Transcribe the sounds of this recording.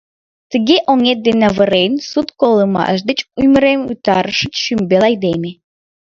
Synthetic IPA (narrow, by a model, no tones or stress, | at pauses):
t̪əɣeʔoŋet̪̚d̪enɑβəɾejnsut̪koləmɑ̰əʃ̬d̪et͡ɕujməɾemut̪ɑɾəʃəʃymbelɑjd̪eme